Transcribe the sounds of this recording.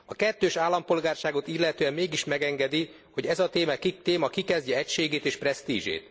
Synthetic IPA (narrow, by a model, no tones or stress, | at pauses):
ɒkɛt̪ːøːʃaːlːɒmpo̞lɡaːrʃaːɡo̞t̪ilːɛt̪øːɛmːeːɡiʃmɛɡɛŋɡɛd̪i | ho̞ɟɛzɒt̪eːmɛkit̪eːmɒkikɛzɟɛɛcʃeːɡeːt̪eːʃprɛst̪iːʒḛːt̪